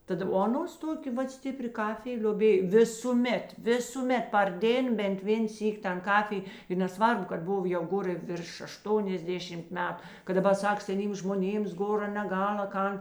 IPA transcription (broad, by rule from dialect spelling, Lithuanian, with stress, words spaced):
ˈtɐt oː ɐˈnoːs ˈtoːkʲeː ˈʋɐt ˈsʲtʲɪpʲrʲɪ ˈkɑːfʲɪj lʲoːˈbʲeːj ˈʋʲɪsuːˌmʲɛt ˈʋʲɪsuːˌmʲɛt pɐr ˈdʲeːn bʲɛnt ˈʋʲeːn ˈsʲiːkʲ tɐn ˈkɑːfʲɪj ɪ nʲɛˈsʋɐrbʊ kɐt ˈboːw jɛʊ ˈɡoːr ɪ ʋʲɪrʃ ɐʃˈtoːnʲɛzʲˌdʲeːʃʲɪmt ˈmʲæːtʊ kɐt dɐˈbɐr ˈsɐk sʲɛˈnʲiːms ʒmoːˈnʲeːms ˈɡoːrɐ nʲɛˈɡɐlˠ ɐ ˈkɐn